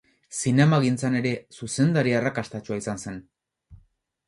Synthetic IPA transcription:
sine̞maɣint͡sane̞ɾe̞suse̞nd̪aɾiaerakast̪at͡ʃuaisanse̞n

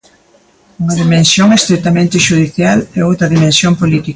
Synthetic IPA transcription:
uŋɐðimẽnsjoŋest̪ɾet̪amẽnt̪ɪʃuð̞iθjalɛowt̪ɾɐðimẽnsjompolit̪ik

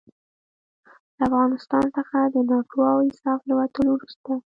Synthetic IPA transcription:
ləafɣɑnɪst̪ɑnsəxad̪ənɑʈoɑwɪnsɑfləwat̪əlowɾust̪a

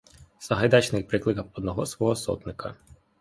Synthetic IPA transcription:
sɐɦɐjd̪ɑt͡ʃnɪjpɾɪklˠɪkɐɔd̪nɔɦɔsʋɔɦɔsɔ̰t̪nɪkʰɐ̰

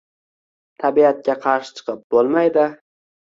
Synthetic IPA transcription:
t̪ʰabiat̪̚kʲaqʰɑɾʃɪ̥t͡ʃʰɨ̥qɨp̚b̥olˠmajd̪ɪ

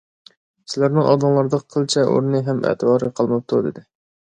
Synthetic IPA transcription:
sɪlæɾnɪŋʔɑ̰d̪ɨŋlˠɑɾd̪əqqʰːəlˠt͡ʃʰɛʔo̰ɾnɨɦɛmɛ̰t̪ʰɨbɑːɾɨqʰɑlˠmɑp̚t̪ʰud̪ɪ̰d̪ɪ

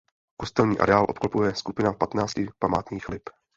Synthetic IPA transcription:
kost̪ɛlɲiːʔa̰ɾɛaːlʔot̪klopujɛskupɪnapat̪naːt͡scɪpamaːt̪ɲiːxlɪp

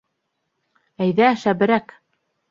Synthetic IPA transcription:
æjðæʃæbɘ̆ɾæk

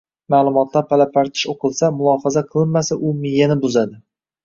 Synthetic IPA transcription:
maːlˠʊmɒt̪ʰlaɾpʰalapʰaɾt̪ʰɪ̥ʃoqʰɨlˠsamʊlˠɒːfazaqʰɨlˠɪnmasaʔʊmɪjanɪbʊzad̪ɪ

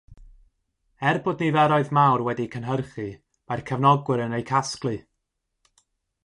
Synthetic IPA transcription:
ɛrbɔdnivɛɾɔɨðmawrwɛdikʰənɦərχi | majrkʰəvnɔɡwɪɾənejkʰasklˠɨ

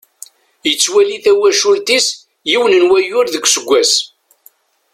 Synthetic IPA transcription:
jət͡sːwæliθæwæʃult̪is | jiwnənwæjʊɾðəɡʷsəɡʷːæs

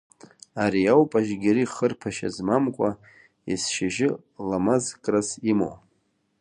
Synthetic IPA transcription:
aɾiawpʼaʒɡʲɪɾiχərpʰaʃa̰zmamkʷʼa | isʃaʒɪ | lamazkʼrasimo̰w

